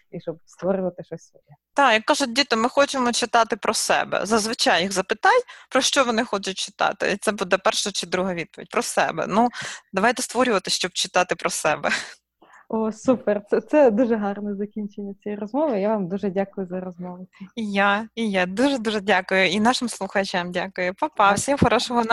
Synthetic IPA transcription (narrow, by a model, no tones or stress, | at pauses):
iʃɔbst̪ʋɔɾʊlˠɐt̪ɪʃɔsʲsɔjɛt̪ɑjɐkːɑʒʊt̚ʲdʲit̪ɪmɪxɔt͡ʃɪmɔt͡ʃɪt̪ɑt̪ɪpɾʔɔsɛ̰bɛ̰zɐzʋɪt͡ʃɑjiɣzɐpɪt̪ɑjʲpɾɔʃt͡ʃɔʋɔnɪxɔt͡ʃʊt̚ʲt͡ʃɪ̥t̪ɑ̰t̪ɪ̰t̪sɛbud̪ɐpɛrʃɐt͡ʃɪd̪ɾuɦɐʋʲid̪pɔʋʲḭd̚ʲpɾɔsɛ̰bɛ̰nud̪ɐʋɑjt̪ɛst̪ʋɔɾʲʊʋɐt̪ɪsʃt͡ʃɔb̚t͡ʃɪt̪ɑt̪ɪpɾɔsɛ̰bɛ | osupɛrt̪sɛt̪sɛd̪uʒɛɦɑrnɛzɐkʲinʲt͡ʃenʲːɐt͡sʲijirɔzmɔʋɪjaʋɑmd̪uʒɛdʲakʊjʊzɐɾɔzmɔʋʊijaijad̪uʒɛd̪uʒɛdʲakʊjʊinɑʃɪmslˠʊxɐt͡ʃʲamdʲakʊjʊpɐpɑwsʲimxɔɾɔʃɔɦɔn